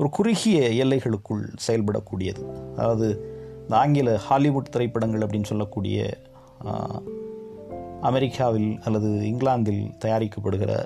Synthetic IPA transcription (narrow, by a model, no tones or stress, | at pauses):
ɔɾɯkʊrɪɣɪjɐɛlːɐɪɣɐɭɯkːɯɭsɛjɐlpɐɽɐ̰kːuːɽɪjɐðɯɐðaːʋɐðɯɪnd̪ɐaːŋɡɪlɐhaːlɪʋuːʈt̪ɪɾɐɪpːɐɽɐŋɡɐɭɐpːɐɽɪnːɯsɔlːɐkːuːɽɪ̰jɐ̰ | ɐmɛɾɪkʰːaːʋɪlɐlːɐðɯɪŋɡlaːnd̪ɪlt̪ɐjaːɾɪkːɐpːɐɽɯɣɪrɐ̰